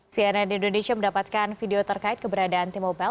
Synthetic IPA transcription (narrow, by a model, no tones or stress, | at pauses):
sianadiːndonesiaməndapat̪̚kanfideot̪ərkaɪt̪̚kəbəɾadaːnt̪imoba